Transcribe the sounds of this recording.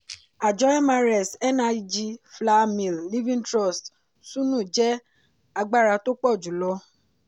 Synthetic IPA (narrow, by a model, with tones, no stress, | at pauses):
a˨d͡ʒɔ˨˦ɛ˦ma˧ɾɛ˨sɛ˦na˧d͡ʒi˧fla˦mĩ˨lli˦vĩ˦ntɾɔ˦˨st | sũ˦nũ˦˨d͡ʒɛ˦ | a˧ɡ͡ba˦˨ɾa˧to˦k͡pɔ˦˨d͡ʒu˨˦lɔ˧